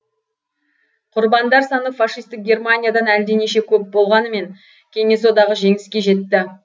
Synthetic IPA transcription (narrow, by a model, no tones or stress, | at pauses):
qʰʊɾbɑnd̪ɑɾsɑnəfɑʂijst̪ɪk̚ɡʲe̞rmanʲijad̪ɑnæld̪eneʃe̞kʲʰɵp̚bo̞lˠʁɑnəme̞ŋ | kʲʰe̞ŋe̞so̞d̪ɑʁəʒe̞ŋɪskʲe̞ʒe̞t̪ːɪ